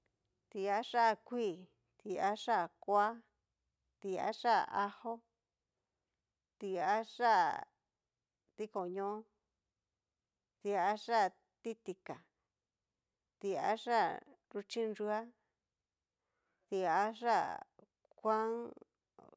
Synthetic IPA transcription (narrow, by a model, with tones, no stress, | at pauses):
t̪i˧a˦ʂa˦˨kʷiː˦˨ | t̪i˧a˦ʂa˦˨kʷa˦ | t̪i˧a̰˦ʂa˦˨a˦ho˦ | t̪i˧a˦ʂa˦ | t̪i˦ko˨ɲõ˦ | t̪i˧a˧ʂa˦˨ | t̪i˦t̪i˧ka˨ | t̪i˧a̰˦ʂa˦ɾu˧t͡ʃi˦nʐu˧˦a˦ | t̪i˧a˧˦ʐa˦˨ | kʷã˦ŋ